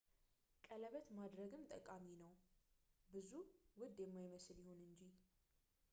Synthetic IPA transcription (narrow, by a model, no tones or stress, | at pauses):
kʼələβət̪mad̪ɾəɡɨmt̪ʼə̰kʼaminəw | bɨzuwʊd̪jɛmːajməsljɪhonɨɲd͡ʒi